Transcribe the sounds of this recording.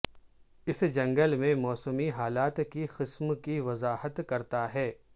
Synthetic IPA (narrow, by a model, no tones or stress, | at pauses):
ɪsd͡ʒɐ̃ŋɡəlmẽmɔːsəmiɦaːlaːt̪kixɪsmkiʋɐzaːhət̪kɐɾt̪aɦɛː